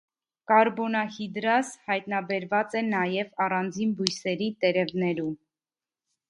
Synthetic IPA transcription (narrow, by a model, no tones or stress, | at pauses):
kɑɾbɔnɑhid̪ɾɑshɑjt̪nɑbɛɾvɑt͡sɛnɑjɛvɑrɑnd͡zinbujsɛɾit̪ɛɾɛvnɛɾum